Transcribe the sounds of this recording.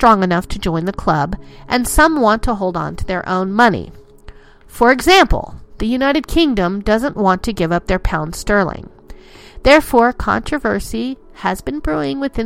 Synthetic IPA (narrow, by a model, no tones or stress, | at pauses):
tɹ̥ɔ̃ŋɨnʌftʰɨd͡ʒɔ̃ɪ̃nðɨkʰl̥ʌbʔɨ̃nsʌ̃mwɑ̃ntʰəɦoʊlˠdn̩tʰɨðə˞ʔõ̰ʊ̃nmʌnḭ | fə˞ɨɡzæ̃mpl̩ˠðɨjʉnaɪɾɨd̚kʰɪ̃ŋdə̃mdʌzə̃nʔwɑ̃ntʰɨɡɪvʌp̚ðə˞pʰãʊ̃nd̥stɜ˞lˠɪ̰̃ŋ | ðɛɹfɔɹkʰɑ̰̃nt͡ʃɹ̥ɨvɜ˞si | ɨzbɨ̃nbɹuɪ̃ŋwɨθɪ̃